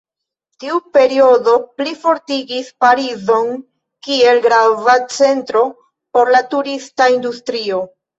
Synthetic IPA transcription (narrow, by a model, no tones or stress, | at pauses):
tiupe̞ɾio̞do̞plifo̞ɾtiɡispaɾizo̞n | kie̞lɡɾavat͡se̞ntɾo̞ | po̞ɾlatuɾistaindustɾio̞